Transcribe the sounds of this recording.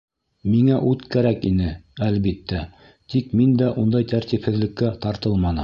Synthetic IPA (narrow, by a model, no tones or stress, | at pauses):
miŋæʔʉt̪kæɾækinɘælβit̪ːæ | t̪ikmind̪æʔund̪ɑjt̪æɾt̪iphɘ̆ðlɘ̆kːæt̪ɑɾt̪ɤlˠmɑnɤ